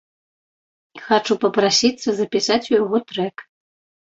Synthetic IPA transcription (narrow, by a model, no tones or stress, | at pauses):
xat͡ʂupɐpɾasʲit̪sːɐzɐpʲisat͡sʲujaɣɔt̪ɾɛk